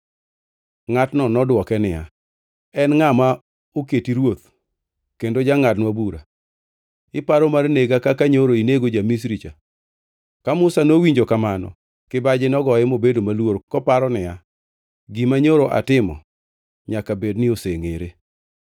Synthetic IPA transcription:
ŋatnɔnɔdwɔkɛnɪja̰ | ɛnŋama | oketiɾwot̪ | kendod͡ʒaŋatnwabuɾa̰ | ɪpaɾɔmarneɡakakaɲoɾoineɡod͡ʒamis̬ɾit͡ʃa | kamʊsanowiɲd͡ʒokamanɔ̰ | kɪbad͡ʒɪnɔɡɔjɪmobedomalworkɔpaɾɔnɪja | ɡimaɲoɾoʔa̰tɪmɔ̰ | ɲakabednɪoseŋeɾe

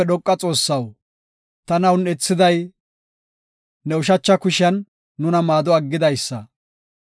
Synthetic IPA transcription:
ɛɗɔkʼːɐt͡sʼo̞ːsːɐw | t̪ɐnɐwnɛt͡sːɪd̪ɐj | nɛʊʃ̬ɐt͡ʃːɐkʊʃɪɐnː | ʊnɐmaːd̪ɔɐɡːɪd̪ɐjsːɐ

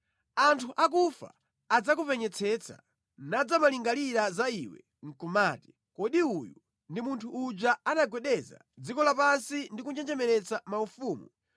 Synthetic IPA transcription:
antʰuʔakufa̰ː | d͡zakupɛɲɛt͡sʰɛt͡sʰa̰ | nad͡zamaliŋɡaliɾazaiwɛ̰ | ŋ̩kumaːti̥ | kɔɗiuju | ndimuntʰuːd͡ʒaanaɡwɛɗɛza̰ | d͡zikɔlapansindikuɲd͡ʒɛnd͡ʒɛmɛɾɛt͡samaufuːmu

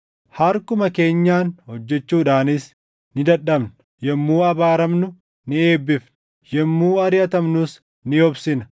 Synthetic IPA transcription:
hɐɾkʊmɐke̞ːɲːaːnhɔd͡ʒːɛt͡ʃːuːᶑaːnɪs | nɪd̪ɐᶑːɐbnʊ̥ | jɛmːuːɐbaːɾɐmnʊ | nɪe̞ːbːɪf | jɛmːuːɐɾɪjɐt̪ɐmnʊs | nɪɔbsɪnɐ

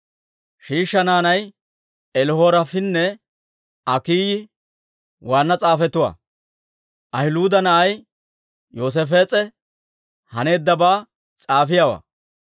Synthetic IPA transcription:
ʃiːʃːɐnaːnɐj | ɛlho̞ːɾɐfɪnːɛ | ɐkiːjɪ | waːnːɐt͡sʼaːfɛt̪ːʊwa̰ | ʔɐhɪluːd̪ɐnɐʔɐj | joːs̬ɛfeːt͡sʼɛ | hɐne̞ːd̪ːɐbaː | t͡sʼaːfɪjawɐ̰

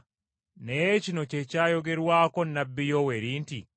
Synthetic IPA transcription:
nejecinocecajoɡe̞ɾwaːkonːabːijoweɾiːnti

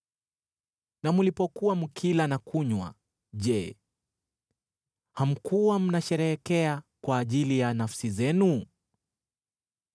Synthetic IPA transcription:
namulipɔkuwamukʰilanakʰuɲwa̰ | ʄɛ | ham̩kuwam̩naʃɛɾɛɛkɛakwaːʄilijanafsizɛnu

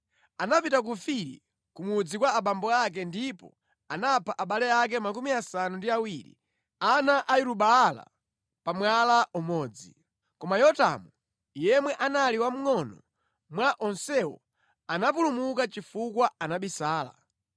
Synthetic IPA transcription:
anapitak̬ufiɾḭ | kumud͡zikwaːɓambɔak̬ɛndipɔ̰ | anapʰaʔaɓalɛak̬ɛmakumiasanundiawiɾḭ | anaʔaiɾuɓaːla̰ | pamwalaʔumɔːd͡zi | kɔmajɔta̰mu | ijɛmwɛʔanaliwam̩ŋɔnɔ | mwaʔɔnsɛwɔ̰ | anapulumukat͡ʃifukwaanaɓisaːla̰

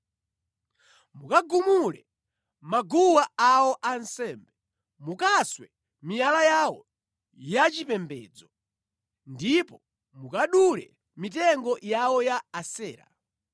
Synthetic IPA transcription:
mukaɡumulɛ | maɡuwaawɔʔansɛːmbɛ | mukaswɛ | mijalajawɔ | jat͡ʃipɛmbɛ̰ːd͡zɔ | ndipɔ | mukaɗulɛ̰ | mit̬ɛŋɡɔjawɔjaːsɛːɾa̰

